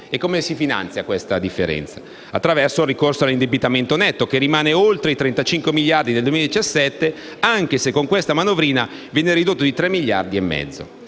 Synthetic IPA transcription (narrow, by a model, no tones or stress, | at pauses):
ekːomesifina̰nt̪sjakwest̪ad̪ifːḛɾɛ̰nt̪sḁ | at̪ːɾavɛrsorːikorsoalːind̪ebit̪ament̪onɛt̪ːokerːimaːneolt̪ɾeit̪ɾent̪at͡ʃiŋkwemiʎːard̪id̪eld̪uwemilad̪it͡ʃasːɛt̪ːe | aŋk̟esekːoŋkwest̪amanovɾiːna | vjɛːneɾid̪ot̪ːod̪it̪ɾɛmːiʎːa̰rd̪iemːɛ̰d̪zːo̰